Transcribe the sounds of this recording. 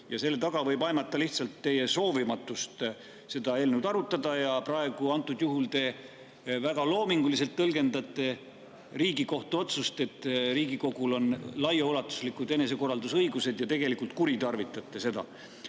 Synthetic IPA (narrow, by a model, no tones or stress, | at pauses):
jɑse̞lːe̞t̪ɑɡ̥ɑvɤ̞jbɑjmɑt̪ːˑɑliht̪sɑlt̪ːe̞je̞so̞ːvimɑt̪ːˑust̪ | se̞d̪ɑe̞ːlnuwd̪ɑɾut̪ːˑɑd̪ɑjɑprɑe̞ɡ̥uɑnt̪ːˑud̪juɦult̪e̞ː | væɡ̥ɑlo̞ːmiŋɡ̥uliselt̪ːɤlɡe̞nd̪ɑt̪ːˑe̞ | riːɡiko̞ht̪uo̞t̪sust̪e̞t̪ːˑɾiːɡ̥iko̞ɡ̥ulo̞nlɑjɑulɑt̪ːˑu̥slikud̪e̞ne̞s̬e̞ko̞rːɑld̪usɤjɡuse̞d̪̥jɑt̪e̞ɡ̥e̞likˑult̪kuɾit̪ɑrvit̪ːˑɑt̪ˑːe̞se̞d̪ɑ̰